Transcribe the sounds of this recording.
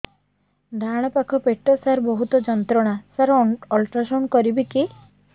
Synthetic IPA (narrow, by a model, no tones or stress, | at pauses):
d̪ʱaɽ̃ɔpakʰɔpeʈːɔsaɾbɔɦut̪ɔd͡ʒɔnt̪ɾɔɽ̃asaɾɔlʈɾasɔnkɔɾibiki